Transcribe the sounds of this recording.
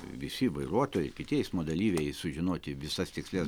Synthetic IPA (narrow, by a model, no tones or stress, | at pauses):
ʋʲɪsʲɪʋɐɪɾuɔt̪oːjɛɪkʲɪt̪ʲiɛɪsmoːd̪ɐlʲiːʋʲɛjɪsʊʒʲɪnoːt̪ʲɪʋʲɪsɐst̪ʲɪksʲlʲɛs